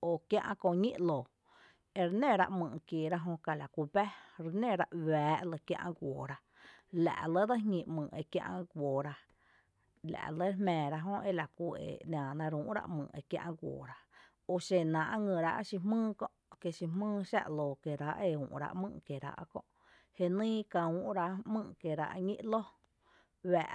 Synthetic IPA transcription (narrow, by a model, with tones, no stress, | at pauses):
o˨kjã̰˧ʔã˧kõ˧ʔɲḭ̃˦ʔloː˨ | e˧ɾe˦nẽ˦˨ɾa̰˧ʔmɨ̃˧˨ke˨ɾa˧ɦõ˧ka˧˨la˨kʷu˧bɛ˦ɾnẽ˦˧˨ɾa˧ʔwɛː˨˦ʔlə˧kjã̰˧ʔã̰˧ɡʷoː˨ɾa˧ | la̰˨ʔlə˦d̪ə˦ŋĩ˧mɨ̃˨ʔe˧kjã̰˧ʔã˧ɡʷoː˨ɾa˧ | la̰˨ʔlə˦hmɛ̃ː˨ɾa˧ɦõ˦ʔe˦la˨kʷu˧˨ḛ˨ni˧ãː˨nã˧ɾũː˧ʔɾa̰˧ʔmɨ̰̃ː˨ʔḛ˧kjã̰˧ʔɡʷo̰ː˨ɾa˧ | o˧ʃe˧nã˨ʔa˦ŋɨ̃˧˨ɾa˧ʔa̰˦ʃi˧mɨ̃ː˦kõ˧ʔke˧ʃi˧mɨ̃ː˦˧ʃa̰˦˧ʔlo˨ke˨ɾa˧ʔe˧˨ṵ̃ː˨ʔɾa̰˧ʔmɨ̰̃ː˧ʔke˨ɾa̰˧˨ʔa̰˧kõ̰˧ʔ | he˧nĩː˦ka˧ũ˨ʔɾa˧mɨ̃˧ʔke˨ɾa̰˧ʔɲḭ̃˦ʔlo˦ | wɛː˨ʔ